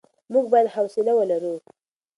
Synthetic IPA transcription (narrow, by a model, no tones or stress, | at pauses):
muɡ̚bajad̪hawsɪlawəlaɾu